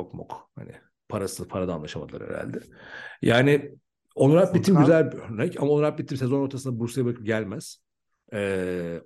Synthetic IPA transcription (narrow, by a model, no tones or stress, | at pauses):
okmṵkha̰nɪ̰ | pʰaɾasɯpʰaɾad̪aːnlˠaʃamad̪lˠa̰ɾḛɾa̰lʲd̪ɛ | jaːnɪ | o̞nuɾap̚bit̪ʰːimɟyzælʲbiøɾnɛcamao̞nuɾap̚bit̪ʰːimsezono̞ɾt̪ʰasɯnd̪abuɾusajabɯɾakʰɯp̚ɟælʲmæz̥ | ɛ